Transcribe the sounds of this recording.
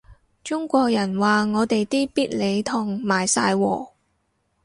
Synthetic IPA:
t͡ʃʊ˥ŋkʷɔː˧k̚jɐ˨˩nwaː˨ŋɔː˨˧t̪e˨jt̪iː˥piː˥t̚le˨˧jt̪ʰʊ˨˩ŋmaː˨˩jsa̰ː˧jwɔ̰ː˨˩

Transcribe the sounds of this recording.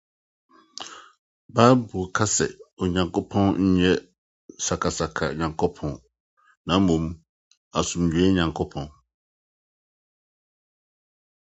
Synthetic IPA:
baː˦bu˨kʰa˦sɛ̰˨ɔ˨ɲã˨ŋkʰo˦pʰɔ̃˦nɲ̩˦ɲɛ˦ | sa˨kʰa˨sa˨kʰa˨ɲã˨ŋkʰɔ˦pʰɔ̃˦n | nã˨˦mũ˨m | a˨sʊ̃˨md͡ʑᶣu˨˦ɛ˦ɲã˨ŋkʰɔ˦pʰɔ̃˦n

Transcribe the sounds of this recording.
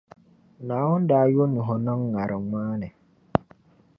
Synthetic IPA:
na˨˦wʊ˦n˦daː˨˦jo˦nu˨ɦɔ˨nɔ˦ŋːa˨ɾʔə˨ŋaː˦nɛ˨

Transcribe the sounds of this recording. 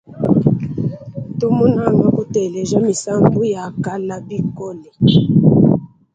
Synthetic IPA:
tu˦mu˦na˦˨ŋɡa˦ku˦tɛ˨lɛ˨za˦mi˨sa˦mbu˦ja˨ka˦la˦bi˦kɔ˦lɛ˨

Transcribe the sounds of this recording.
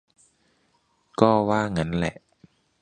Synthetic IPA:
kɔː˥˩waː˥˩ŋa˦˥nlɛ̰˨˩ʔ

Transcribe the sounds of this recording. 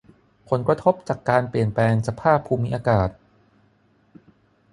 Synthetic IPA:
pʰo˩˦nkɾa˧t̪ʰo˦˥p̚t͡ɕaː˨˩kːaː˧npli˨˩ənplɛː˧ŋsa˧pʰaː˥˩pʰːuː˧mi˦˥ʔaː˧kaː˨˩t̪̚

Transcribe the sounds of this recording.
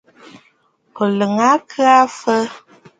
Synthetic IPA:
ko˨lə˨ŋa˨˦kʰɨ˦a˦fə˦

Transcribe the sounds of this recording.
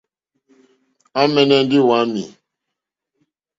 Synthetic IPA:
a˦mɛ˨nɛ˦n̩˦di˦wa˨˦mḭ˨

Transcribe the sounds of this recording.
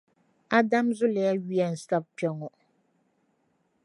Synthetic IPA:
a˦da˦mzʊ˦lɪ˨ja˦ɥi˦a˨n̩˨sa˦b̚pɛ˦ŋɔ˨

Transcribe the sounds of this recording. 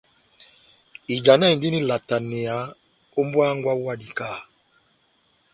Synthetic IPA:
i˨d͡ʒa˨na˦i˨n˨di˦ni˦la˨ta˨ni˨a˨˦ | o˦mbwa˦ŋɡwa˦a˦di˨kaː˦˨

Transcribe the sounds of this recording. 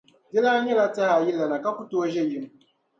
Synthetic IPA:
dɪ˦la˦ɲɛ˦la˦ta˦ha˨ji˦lːa˨na˨ka˦ku˦toː˦ʒɛ˦˨ji˦n˨

